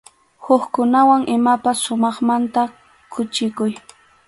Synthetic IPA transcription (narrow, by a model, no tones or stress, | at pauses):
hʊkkʊnawaŋʔɪmapasːʊmɑχmant̪a | kʰʊt͡ʃɪkʊj